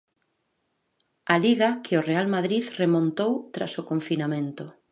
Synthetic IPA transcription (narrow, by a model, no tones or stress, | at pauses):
aliɣɐkʰɪorealmaðɾiðremõnt̪owt̪ɾa̰sokoɱfinamẽnt̪ʊ